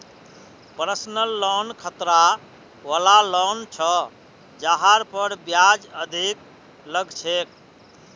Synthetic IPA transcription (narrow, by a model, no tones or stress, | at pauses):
pɾəsnəlːɔnkʰət̪ɾa | wəlalɔnt͡ʃʰɔ | d͡ʒaɦaɾpəɾbjad͡ʒəd̪ʱik | ləɡt͡ʃʰek̚